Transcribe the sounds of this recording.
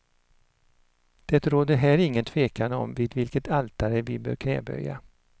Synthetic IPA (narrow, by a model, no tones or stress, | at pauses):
d̪̥ɛt̪ɾoːd̪əɦæːɾɪŋːənt̪ʰveːkand̪əɔ̰mvɪːd̪vɪlkət̪ʰalt̪aɾəvɪbœ̰ːɾkʰnɛ̰ːbœ̰jːa̰